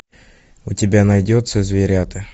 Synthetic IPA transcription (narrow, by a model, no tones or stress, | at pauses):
ʊtʲɪbʲanɐjdʲot̪səzʲvʲɪɾʲat̪ə